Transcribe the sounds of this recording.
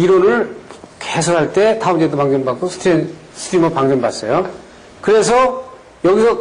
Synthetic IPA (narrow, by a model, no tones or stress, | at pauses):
iɾonɯɭkesʰoɾɦaɭt͈e̞taɯmd͡ʑedopaŋɡjʌnbak͈osʰtʰɾen | sʰtʰɾimʌpaŋɡjʌnbas͈ʌjo | kɯɾe̞s̬ʰʌ | jʌɡisʰʌ